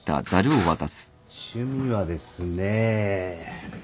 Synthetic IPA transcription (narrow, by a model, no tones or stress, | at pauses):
t̪a̰zaɾʲɯoβat̪asɨ̥ | ɕɨmʲiβad̪e̞sɨne